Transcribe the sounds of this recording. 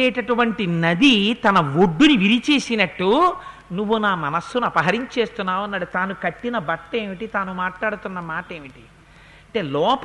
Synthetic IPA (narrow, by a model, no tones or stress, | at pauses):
ɛːʈɐʈuʋɐɳʈinɐd̪it̪ɐnɐʋoɖːuniʋiɾit͡ʃe̞ːsinɐʈːu | nuʋːunaːmɐnɐsːunuɐpɐɦɐɾiɲt͡ʃe̞ːst̪unːaːʋɐnːaːɽut̪aːnukɐʈːinɐbɐʈːe̞ːmiʈit̪aːnumaːʈlaːɽut̪unːɐmaːʈeːmiʈi̥ | ɐɳʈe̞ːlɔːp